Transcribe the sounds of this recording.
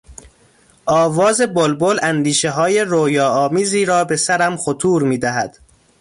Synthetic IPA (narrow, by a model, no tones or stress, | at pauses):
ʔɒːvɒːze̞bolbolænd̪iːʃeɦɒːje̞ɾojɒːɒːmiːziːɾɒːbe̞sæɾæmxot̪ʰuːɾmiːd̪æɦæd̪̥